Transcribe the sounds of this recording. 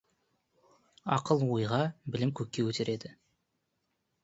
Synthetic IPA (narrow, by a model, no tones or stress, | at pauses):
ɑ̰qəlˠwojʁɑbɪlɪmkʲʰɵkʲːe̞wʰɵt̪ʰe̞ɾe̞d̪ɪ